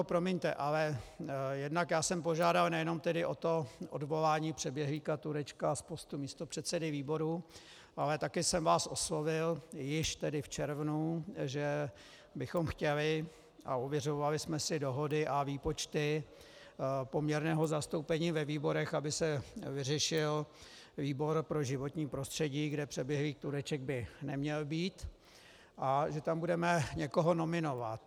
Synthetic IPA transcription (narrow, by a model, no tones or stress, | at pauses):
pɾo̞mɛɲt̪ɛʔalɛjɛdnakjaːsɛmpo̞ʒaːdalnɛjɛno̞mt̪ɛdɪʔo̞t̪o̞ʔo̰dvo̞laːɲiːpr̝̥ɛbjɛɦliːkat̪uɾɛt͡ʃkaspo̞st̪umiːst̪o̞pr̝̥ɛt̪sɛdɪviːbo̞ɾu | ʔalɛt̪akɪsɛmvaːso̞slo̞vɪljɪʃt̪ɛdɪft͡ʃɛɾvnuʒɛ | bɪxo̞mxcɛlɪ | ʔa̰ovjɛr̝oovalɪsmɛsɪdo̞ɦo̞dɪʔaviːpo̞t͡ʃt̪ɪ | po̞mɲɛɾnɛːɦo̞zast̪o̞wpɛɲiːvɛviːbo̞ɾɛxabɪsɛvɪrɛʃɪl | viːbo̞ɾpɾo̞ʒɪvo̞t̪ɲiːpɾo̞st̪r̝̥ɛɟiːɡdɛpr̝̥ɛbjɛɦviːxt̪uɾɛt͡ʃɛɡ̚bɪnɛmɲɛlbiːt̪ | ʔaʒɛt̪ambudɛmɛɲɛko̞ɦo̞no̞mɪno̞vat̪